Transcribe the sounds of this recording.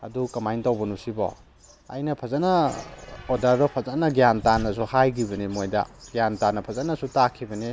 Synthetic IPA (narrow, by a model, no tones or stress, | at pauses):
ɐ̰dukɐmajntawbɐnusibɔ̰ | ɐ̰jnɐpʰɐzanɐ | odaɾdɔpʰɐzanɐɡjantanːɐsuhajɡiβɐnimojdɐ̰ɡ̥ijantanːɐpʰɐzanɐsutakʰibɐni